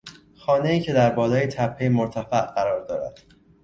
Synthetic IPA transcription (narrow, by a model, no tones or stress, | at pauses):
xɒːne̞iːcʰe̞d̪æɾbɒːlɒːjet̪ʰæpʰːejemoɾt̪ʰæfæʔɢæɾɒːɾd̪ɒ̰ːɾæ̰d̪̥